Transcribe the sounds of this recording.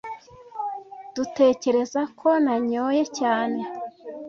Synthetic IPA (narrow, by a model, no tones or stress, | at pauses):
d̥ute̞ːce̞ɾe̞zakʰo̞naɲoːje̞caːne̞